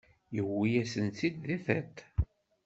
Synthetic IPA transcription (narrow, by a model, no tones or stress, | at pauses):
jəwːijæsənt͡s̪id̪ðiθæt̪